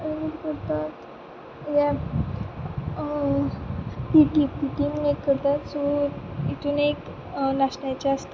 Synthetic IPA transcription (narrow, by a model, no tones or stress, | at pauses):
diɾkəɾt̪at̪ | jja | piʈipiʈimnekːəɾt̪at̪soit̪ʰunek | naɕɳjat͡ɕaəst̪a